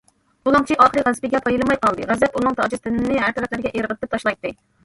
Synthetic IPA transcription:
ulˠɑŋt͡ʃʰiʔɑχəɾɨʁæzpɪɡʲɛpʰɑjɨlˠɨmɑjqɑlˠd̪ɨʁæzɛpunɨŋt̪ʰɑːd͡ʒɨst̪ɨnɨnnɪɦæɾt̪ʰɛɾɛp̪̚lɪɾɡʲɛʔeɾʁət̪ʰːɪp̚t̪ʰɑʃlˠɑjt̪ːɨ

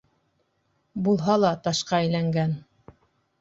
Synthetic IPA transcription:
bulˠɦɑlˠɑt̪ɑʃqɑæjlæŋɡæn

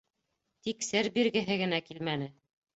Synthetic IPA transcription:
t̪iksɘɾbiɾɡɘ̆ɦɘɡɘ̆nækilmænɘ

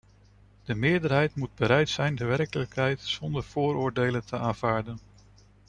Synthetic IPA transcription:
d̥əmɪːɹdəɹɦɛjtmud̚bəɾɛjtsɛjndəʋɛrkələkɦɛjtsɔndəɹv̥ʊːɾʊːɹdejləntʰəaːnv̥aːɹdən

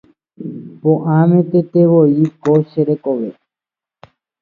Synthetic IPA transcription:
põʔãmẽt̪et̪eʋoikoʃeɾekoʋḛ

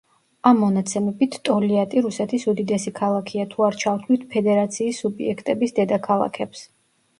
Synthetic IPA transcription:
amːɔnat̪sʰɛmɛbit̪ʰt̪ʼɔliat̪ʼiɾusɛt̪ʰisud̪id̪ɛsikʰalˠakʰiat̪ʰuaɾt͡ʃʰaft̪ʰlit̪ʰpʰɛd̪ɛɾat̪sʰiːsubiɛkʰt̪ʼɛbisd̪ɛd̪akʰalˠa̰kʰɛps

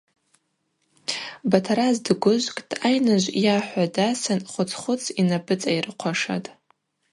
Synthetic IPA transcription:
batʰaɾazdɡʷʊʒʷkʼtʼajnaʒʷjaħʷadasɨnχʷʊt͡sʰʼχʷʊt͡sʰinabɨt͡sʼajrɨqʷʰaʂa̰tʼ

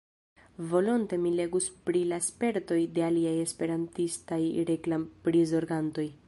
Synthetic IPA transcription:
vo̞lonte̞mile̞ɡuspɾilaspe̞ɾto̞jde̞aliaje̞spe̞ɾantistajɾeklampɾizo̞ɾɡanto̞j

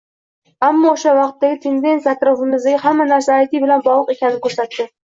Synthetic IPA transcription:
amːɒoʃavɑqt̪ːaɡʲɪt̪ʰe̞nd̪e̞nt̪ʲjaːt̪ɾɒfɪmɪzd̪aɡʲahamːanaɾsaːjt̪ɪbɪlanbɒlˠɨqe̞kʲʰanɪnɪkʰɵɾsat̪d̪ɪ

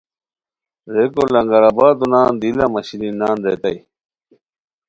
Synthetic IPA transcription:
ɾekolɐŋɡɐɾabaːd̪unaːnd̪ilɐmɐɕɾinnːaːnd̪et̪ɐi

